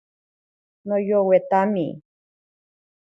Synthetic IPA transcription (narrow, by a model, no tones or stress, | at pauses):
nojowet̪ami